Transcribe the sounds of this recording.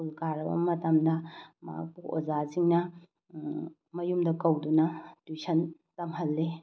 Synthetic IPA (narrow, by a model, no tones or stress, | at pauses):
ulkaɾbɐ̰mɐtɐmdɐma̰k̚puo̰zasiŋnɐ | mɐjumdɐkɐwdunɐtwisʰɐn | tɐmɦɐlːe